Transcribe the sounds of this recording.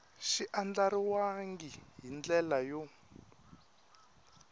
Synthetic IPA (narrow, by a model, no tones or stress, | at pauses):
ʃiʔand͡ɮaɾiwaŋɡiɦind͡ɮɛlajɔ